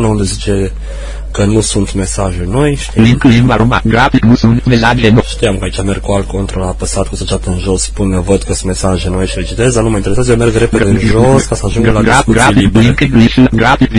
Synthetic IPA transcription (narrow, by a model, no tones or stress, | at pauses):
nəund̪ezit͡ʃe | kənusunt̪me̞saʒunojʃt̪iliŋklimaɾoma̰ɡɾainusunmesaenʃt̪ijamkəait͡ʃamerɡ̚kualkont̪ɾolapəsat̪kusət͡ʃat̪əɨnʒospunːevət̪kəsunme̞saʒenojʃiɾet͡ʃit̪ezd̪anumajint̪eesazjomerɡɾepeɨnʒoskasəaʒũŋɡlaɡɾauɡailiŋkliɡɾa